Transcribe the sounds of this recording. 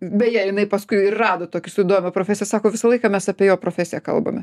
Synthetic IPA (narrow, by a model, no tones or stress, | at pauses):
bʲɛjɛːjɪnɐɪpɐskʊɪɪrrɑːd̪oːt̪oːkʲɪsʊɪd̪oːʋʲɪmɐpɾoːfʲæːsʲɪjɛsɑːkoːʋʲɪsɐlˠɐɪkɑmʲɛsɑpʲeɛjoːpɾoːfʲæsʲɪjɛkɐ̰lˠbɐ̰mʲɛ